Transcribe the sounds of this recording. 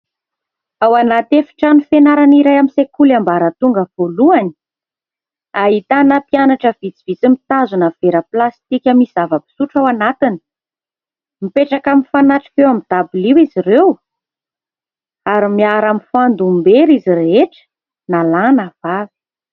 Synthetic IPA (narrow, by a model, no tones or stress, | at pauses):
awanat̪efi̥ʈ͡ʂanufenaɾaniɾajamisekulambaɾət̪uŋɡəv̥oluani | aɦit̪anəpianaʈ͡ʂəvit͡siv̥it͡simit̪azunəv̥eɾəplast̪ikʲəmisizavəbi̥suʈ͡ʂawanat̪ini̥ | mipeʈ͡ʂakaminfanaʈ͡ʂi̥vewamid̪̥abuliwiziɾew | aɾimiaɾamifand̪umbeɾiziɾeeʈ͡ʂə̥ | nalanav̥avi̥